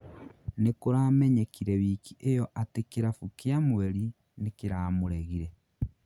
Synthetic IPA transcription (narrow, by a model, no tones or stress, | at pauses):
nekoɾaːmɛɲekiɾɛβikiʔejɔʔatekeɾafukjamweɾi | nekeɾaːmoɾɛɣiɾɛ